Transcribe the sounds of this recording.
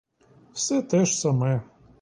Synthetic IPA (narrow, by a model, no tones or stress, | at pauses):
fsɛt̪ɛʃsɐmɛ